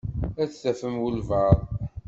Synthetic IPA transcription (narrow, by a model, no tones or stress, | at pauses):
æθθæfəmwəlvɑɾˤ